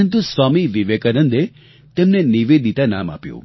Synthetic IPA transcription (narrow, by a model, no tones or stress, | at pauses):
ənt̪̬usʋamiʋiʋekanənd̪e | t̪emneniʋed̪ʱit̪ana̰ma̰pjṵ̃